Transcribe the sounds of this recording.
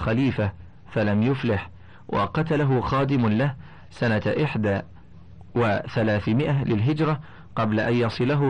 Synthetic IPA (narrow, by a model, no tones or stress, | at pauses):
xaliːfa | falamjʊflɪħ | wʔɑ̰qɑt̪alaɦʊxaːd̪ɪmlah | sanaʔɪħd̪aː | waθalaːθmɪʔalɪlɦɪd͡ʒɾˤɑ | qɑblaʔanjɑsˤɨlaɦʊ